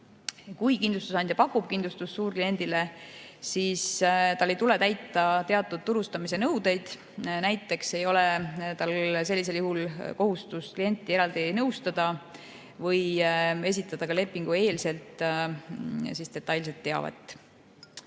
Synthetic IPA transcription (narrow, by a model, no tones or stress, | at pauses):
kujkind̪lust̪usɑnd̪ʲjɑpɑkːˑub̥kind̪lust̪usːuːrklije̞nʲd̪̥ile̞siːst̪ɑlːe̞jt̪ule̞t̪æjt̪ːˑɑt̪e̞ɑt̪ːˑud̪̥̚t̪uɾust̪ɑmise̞nɤwd̪e̞jd̪̥ | næjt̪ːˑe̞kse̞jo̞le̞t̪ɑlse̞lːis̬e̞ljuhulko̞ɦust̪usklije̞nʲt̪ˑːie̞ɾɑld̪̥inɤwst̪ɑd̪̥ɑ | vɤje̞sit̪ːˑɑd̪̥ɑkɑle̞pˑːiŋɡ̥ue̞ːlse̞lt̪ˑ | siːst̪e̞t̪ːɑjls̬et̪ːe̞ɑ̰vɑ̰t̪ːˑ